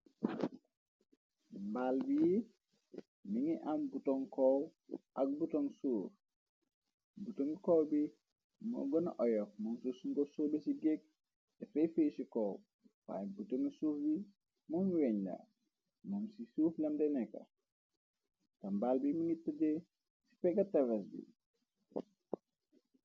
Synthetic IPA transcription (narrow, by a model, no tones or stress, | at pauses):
mbalbiji | miŋiʔambutɔŋkɔwʔɐk̚butɔŋsuːɾ | butoŋikɔwbi | mɔ̰ɡɔna̰ʔɔjɔfmɔnsusuŋɡɔsɔːbisiɡek̚ | dɛfɛjfejsikɔw | wa̰ːjbutoŋisuːfbi | mɔnwɛɲlɐ̰ | mɐmsisuːflɐmdɛnɛkːɐ̰ | tɐmbalbimuŋitɐɟɛ | si̥pɛɡɐtɐvɛsbḭ